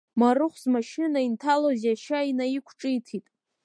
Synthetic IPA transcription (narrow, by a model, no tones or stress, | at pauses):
maɾɨχʷzmaʃɪnaintʰalozaʃainaikʷʰʈ͡ʂʼɨitʰitʼ